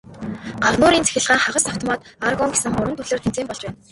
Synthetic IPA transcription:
ɢ̥awnʊːɾiːnt͡sʰe̥xʲɪ̆ɮʁaːŋχaʁə̆saw̥t̪ʰɔmaːt̪arɣɔŋɡesɘ̆ŋχʊɾwə̆nt̪ɵɮeːrt̪ʰent͡seːmpɔɮt͡ɕpæːn

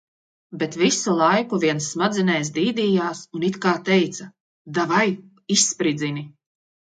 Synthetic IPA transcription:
bet̪visulˠajkuviɛnsːmad̪zinɛjs̬d̪iːd̪iːjaːsunit̪kaːt̪ɛjt̪sɐ | d̪avaj | isːpɾid̪zini

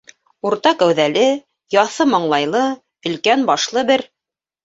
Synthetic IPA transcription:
uɾt̪ɑkæwðælɘ | jɑθɤmɑɴlˠɑjlˠɤ | ɵ̆lkænbɑʃlˠɤbɘɾ

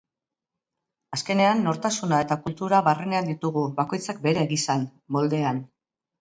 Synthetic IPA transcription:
aske̞ne̞anːo̞ɾt̪asunae̞t̪akult̪uɾaβarene̞and̪it̪uɣuβako̞jt͡sak̚be̞ɾeːɣisan | mo̞ld̪e̞an

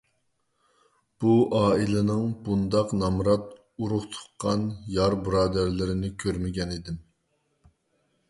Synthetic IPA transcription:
b̥uʔɑːilˠɪnɨŋbund̪ɑqnɑmɾɑt̪ | uɾʊχt̪ʰʊ̥χqʰːɑnjɑɾbɾɑːd̪æɾlɪɾɪnɪkʲʰøɾmɪɡʲɛnid̪ɪm

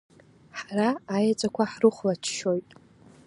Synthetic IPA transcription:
ħaraːjat͡sʼakʷʰaħrɨχʷlat͡ʃʰʃo̞jtʼ

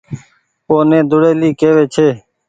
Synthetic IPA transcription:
oːnẽːd̪ʊɽeːliːkeːʋeːt͡ʃʰeː

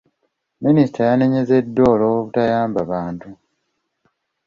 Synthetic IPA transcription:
minisitʰajane̞ɲe̞ze̞dːo̞ːloːβuβutajaːmbaβaːntu

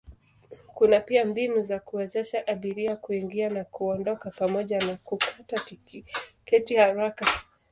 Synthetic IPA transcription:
kunapiambinuzakuwɛzɛʃaʔaɓiɾiakuiŋɡianakuɔndɔkapamɔʄanakukʰatatikɛtihaɾaka

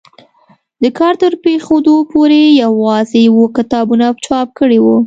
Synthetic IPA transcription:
d̪əkɑɾt̪əɾpexod̪opoɾejawɑzejawokɪt̪ɑbunapt͡ʃɑp̚kəɽewu

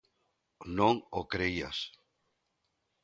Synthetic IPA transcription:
nõŋokɾeia̰s

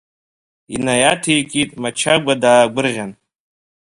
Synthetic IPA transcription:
inajatʰejkʼitʼmat͡ʃʰaɡʷadaːɡʷʊrʁʲan

